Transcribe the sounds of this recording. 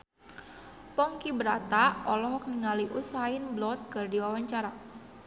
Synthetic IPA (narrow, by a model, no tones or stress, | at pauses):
pɔŋkibəɾat̪aɔlɔɦɔk̚niŋaliʔusaɪnblɔt̪̚kərdiwawaɲt͡ʃaɾa